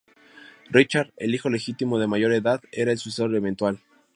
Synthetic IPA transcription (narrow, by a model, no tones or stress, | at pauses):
rit͡ʃaɾðe̞̰lixo̞le̞xit̪imo̞ð̞e̞maʝo̞ɾe̞ðaðe̞ɾaelsusesoɾðement̪wal